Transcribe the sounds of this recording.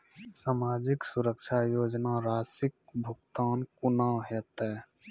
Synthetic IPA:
saːmaːd͡ʒɪksuɾəkt͡ʃʰajoːd͡ʒnaɾaːsɪk̚bʱʊɡ̚t̪aːnkunaːwɦɛt̪ɛ

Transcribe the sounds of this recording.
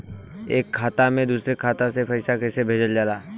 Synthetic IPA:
eːkʰːaːt̪amẽd̪uːsɾekʰaːt̪asepʰɐɪsakɛsebʱeːd͡ʒəld͡ʒaːlaː

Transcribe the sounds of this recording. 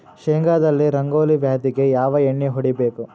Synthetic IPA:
ʃeːŋɡaːd̪ɐlːiɾɐŋɡoːliʋjaːd̪iɡe̞jaːʋɐeɳːiɦɔɽibeːku

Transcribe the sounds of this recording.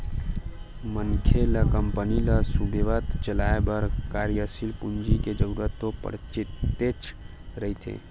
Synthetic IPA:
mənkʰjeləkəmpəniləsubeʋət̪t͡ʃəlaebəɾkaɾjəsilpund͡ʒiked͡ʒəɾuɾət̪ːopə̰ɽt͡ʃiet͡ʃʰ | ɾəɦit̪ʰḛ

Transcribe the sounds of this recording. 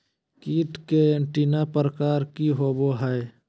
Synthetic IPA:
kiːʈkeeɳʈinapəɾəkaːɾkiɦoːboɦə

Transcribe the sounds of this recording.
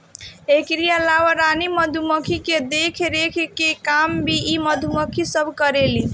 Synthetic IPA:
ekɾijalawəɾaniməd̪ʱuməkʰiked̪ekʰɾekʰkekambʱiiməd̪ʱuməkʰisəbʱkəɾeli

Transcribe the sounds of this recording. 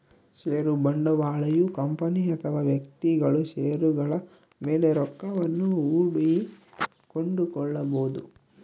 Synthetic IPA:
ʃeːɾubɐɳɖɐʋaːɭɐjukɐmpɐniɐt̪ʰɐʋaːʋjɐkt̪iɡɐɭuʃeːɾuɡɐɭɐ | meːleɾɔkːɐʋɐnːuuːɽi | koɳɖukɔɭːɐboːd̪u

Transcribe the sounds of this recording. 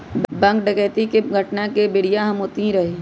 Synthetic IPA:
bbɐ̃ŋkɖɐkɛːt̪ikeɡʱɐʈnakebɪɽijaɦɐmoːt̪iɾɐɦeː

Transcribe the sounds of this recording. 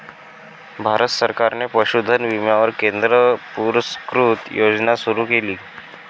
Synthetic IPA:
bʱaɾət̪səɾkaɾnepəɕud̪ʱənʋimjaʋəɾkend̪ɾəpuɾskɾut̪jod͡znasuɾuːkeliː

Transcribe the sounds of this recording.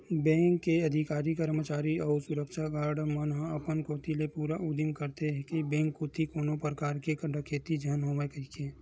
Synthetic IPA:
bɛ̃ːŋkːeɐd̪ʱikaːɾikəɾmət͡ʃaːɾiɔːɾsʊɾəkʃaɡaːɾɖmənɦãɐpənkoːt̪ilepuːɾaʔʊd̪imkəɾt̪eɦɛkibɛ̃ːŋkːot̪ʰikoːnopɾəkaːɾkekəɖʱəkʰeːt̪id͡ʒənɦõːʋekəikʰeː

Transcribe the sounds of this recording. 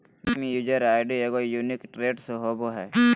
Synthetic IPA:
mijuːd͡ʒəɾaːɪɖieɡojuːnikʈɾeːɖseɦoːboɦɛː

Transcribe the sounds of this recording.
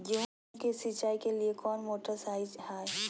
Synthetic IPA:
jeɦ | kesit͡ʃaːikeliekɔːnmoːʈəɾsaːɪd͡ʒhaː

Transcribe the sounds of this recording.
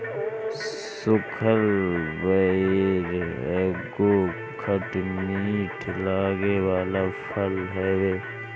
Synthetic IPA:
sʊkʰəlbəeɾɛ̰ːɡo | kʰəʈmiːʈʰlaːɡeːwaːlafʰəlɦɛːweː

